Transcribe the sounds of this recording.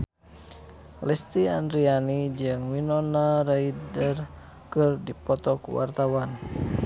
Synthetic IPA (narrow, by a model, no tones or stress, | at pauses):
lɛst̪iandɾianid͡ʒɨŋwinɔnaraidər | kɨrdipɔt̪ɔkṵwa̰rt̪awan